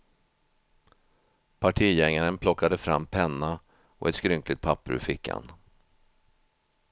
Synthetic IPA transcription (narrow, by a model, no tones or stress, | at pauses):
pʰaʈʰiːjɛŋːaɾənpʰlɔkːad̪əfɾa̰mːpʰɛnːa | ɔ̰ʔɛt̪skɾʏŋklɪt̪̚pʰapːəɾɵ̰fɪkːa̰n